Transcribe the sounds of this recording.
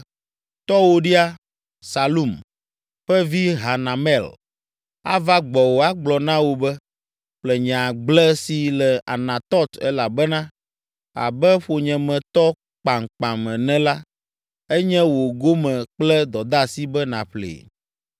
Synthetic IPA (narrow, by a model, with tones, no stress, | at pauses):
t̪ɔ˦wo˦ɖi˦a˦ | sa˨lu˦˨m | ɸɛ˦vi˦ɦa˨nã˨mɛ˦˨l | a̰˦va˦ɡ͡bɔ˨wo˨a˦ɡ͡blɔ˨nã˦wo˨bɛ˦ | ɸlɛ˨ɲ˨ã˨ɡ͡blɛ˦si˨lɛ˨a̰˨nã˨t̪ɔ˦t̪ɛ˦la˨bɛ˦nã˦ | a̰˨bɛ˦ɸo˨ɲɛ̃˨mɛ̃˨t̪ɔ˦ | k͡pa˨ŋk͡pã˨mɛ̃˨nɛ̃˦la˦ | ɛ˦ɲɛ̃˦wo˨ɡo˦mɛ̃˨k͡plɛ˦d̪ɔ˨d̪a˦si˦bɛ˦nã˨ɸlḛː˨